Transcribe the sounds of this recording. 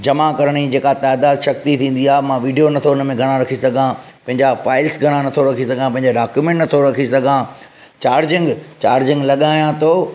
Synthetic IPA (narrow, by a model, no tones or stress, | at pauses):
d͡ʑɐmakɐɾəɽ̃id͡ʑeːkat̪aːd̪aːd̪ʃɐk̚t̪it̪ʰĩːn̆d̪iaːɦemãʋiːɖijonɐt̪ʰoʊnəmẽɡʱɐɽ̃ãɾɐkʰisɐɡʱã | pɐ̃ɦɪ̃ɲd͡ʑafaːɪlsɡʱɐɽ̃ãnɐt̪ʰoɾɐkʰisɐɡʱãpɐ̃ɦɪ̃ɲd͡ʑaɖaːkjumɛ̃ːɳʈnɐt̪ʰoɾɐkʰisɐɡʱã | t͡ɕaːɾd͡ʑɪ̃ŋɡt͡ɕaːɾd͡ʑɪ̃ŋɡlɐɠaːjãt̪ʰoː